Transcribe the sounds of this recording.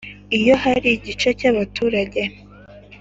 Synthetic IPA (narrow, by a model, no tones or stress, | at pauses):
ijo̞ɦaɾiɟit͡ʃe̞caβatʰuːɾaɟe̞